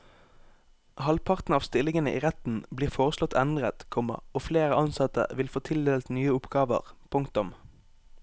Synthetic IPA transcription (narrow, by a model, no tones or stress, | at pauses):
hɑlpʰɑʁt̪n̩ɑːʋst̪ɪlɪŋənəʔḭːʁɛt̪n̩bliːʁfoːʁəslɔt̪ʰɛnd̪ʁət̪kʰɔmɑ̰oːfleːʁəɑnsɑt̪ə̰ʋɪlfoːt̪ʰɪld̪eːlt̪nyːəʊpɡɑːʋə̰ʁpʰʊŋkt̪ʊm